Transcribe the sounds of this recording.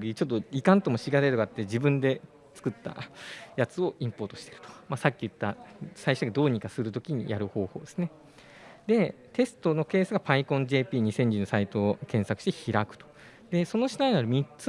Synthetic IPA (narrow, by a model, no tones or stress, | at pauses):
ɡt͡ɕot̪ːoikãnt̪o̞mo̞ɕiɡad̪ait̪okat̪ːe̞d͡ʑibɯ̟̃nd̪e̞ | t͡sɨ̥kɯ̟t̪ːa̰jat͡sɨo̞ĩmpo̞ːt̪o̞ɕi̥t̪e̞ɾɯ̟̥t̪o̥masakʲːiɯ̟t̪ːasaiɕoɡad̪o̞ːɲ̟ikasɨɾɯ̟t̪o̞kʲiɲ̟ḭjaɾɯ̟ho̞ːho̞ːd̪e̞sɨne | d̪e̞ | t̪e̞sɨ̥t̪o̞no̞ke̞ːsɨɡapaikõ̞ɲd͡ʑe̞ːpʲiːɲ̟isẽ̞ɲ̟d͡ʑĩnosait̪o̞kẽ̞ɰ̃sakɯ̟̥ɕi̥t̪e̞çiɾakɯ̟̥t̪o̥ | d̪e̞so̞no̞ɕi̥nainaɾɯ̟mʲit͡s